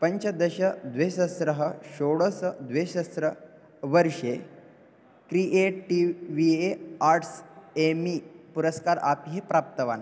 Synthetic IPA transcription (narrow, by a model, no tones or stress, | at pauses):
pəɲt͡ɕəd̪əɕəd̪ʋeɕəsɾəɦəɕoɽəsəd̪ʋeɕəsɾə | ʋəɾʂe | kɾiʔeʈʈiʋieaɾʈsemipuɾəskaɾapiɦepɾap̚t̪əʋan